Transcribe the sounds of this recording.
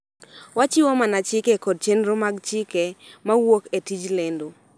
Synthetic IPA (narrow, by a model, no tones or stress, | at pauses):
wat͡ʃɪwɔmanat͡ʃɪkɛkɔd̚t͡ʃenɾomaɡt͡ʃɪkɛmawoketid͡ʒlendo